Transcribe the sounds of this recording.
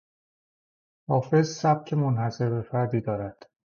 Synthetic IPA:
hɒːfe̞zsæb̥̚cʰe̞monhæse̞ɾbe̞fæɾd̪iːd̪ɒːɾæd̪̥

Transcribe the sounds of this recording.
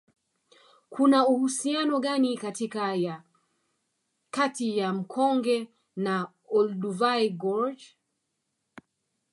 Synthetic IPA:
kʰunauhusianɔɠanikatikaja | katijam̩kʰɔŋɡɛ | na | ɔlduvajɡɔɹd͡ʒ

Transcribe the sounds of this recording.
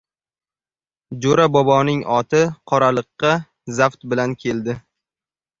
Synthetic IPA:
d͡ʒoɾabɒbɒnɪŋɒt̪ʰɪqʰɒɾalˠɨqːɑ | zaft̪bɪlankʲʰe̞ld̪ɪ

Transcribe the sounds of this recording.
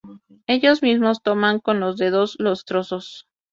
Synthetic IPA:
e̞ʝo̞zmizmo̞st̪o̞maŋko̞nlo̞zðe̞ðo̞zlo̞st̪ɾo̞so̞s

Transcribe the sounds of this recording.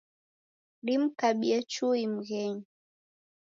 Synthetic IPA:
lim̩kaɓiat͡ʃuim̩ɣɛɲi

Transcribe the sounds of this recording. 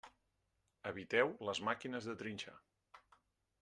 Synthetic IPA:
əβit̪ɛwləzmakinəzðət̪ɾinʲʃa̰

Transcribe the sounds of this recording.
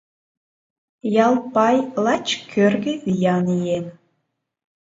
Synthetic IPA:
jɑlˠpɑjlˠɑt͡ɕkʰørɣeβijɑnijen

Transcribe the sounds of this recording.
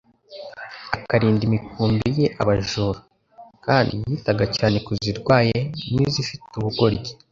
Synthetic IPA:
akaɾiːndimikuːmbije̞ʔa̰βaʒuːɾu | kaːndḭjiːtaɡacaːne̞kuziɾɡwaːjenizifituβuɡo̞ɾɟe

